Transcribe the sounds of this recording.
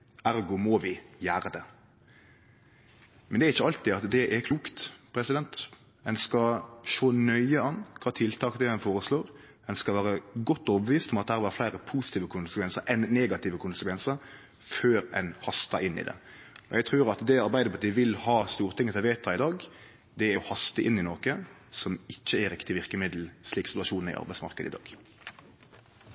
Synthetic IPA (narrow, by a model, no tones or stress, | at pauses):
æɾɡʊmɔʋɪjæːɾəd̪ɛ | mɛnd̪ɛæɾɪçːəɑlt̪ɪɑt̪d̪ɛʔɛkʰluːkt̪pʰɾɛsɪd̪ɛnt̪ | ɛnskɑʃoːnœʏəɑnːkʰɑt̪ʰɪlt̪ʰɑːkd̪ɛɛnfoːɾəsloːɾ | ɛnskɑʋæːɾəɡɔt̪ːoːbəʋiːst̪ɔmɑt̪̚ɛhæɾʋɑːɾflæɪɾəpʰusɪ̥t̪iːʋəkʰʊnsə̥kʰʋɛnsəɾʔɛnneːɡɑt̪ɪːʋəkʰʊnsəkʰʋɛnsəɾ | føːɾɛ̰nhɑst̪ɑʔɪnːɪ̰d̪ɛ̰ɔjɛɡ̚t̪ʰɾʉːɾɑt̪d̪ɛɑɾbæɪd̪əpʰɑt̪iːəʋɪlhɑːst̪uːʁət̪ʰɪŋːət̪ʰɛlʋeɪt̪ʰːɑɪd̪ɑːɡ | d̪ɛɛhɑst̪əʔɪnɪnɔɾkə | sɔmɪçːəɛɾɪkt̪ɪʋɪɾkəmɪd̪l̩sliːksɪt̪ʉʋɑʃuːn̩ɪ̰ʔɑ̰ɾbæɪsmɑ̰ʁkəd̪əɪd̪ɑ̰ːɡ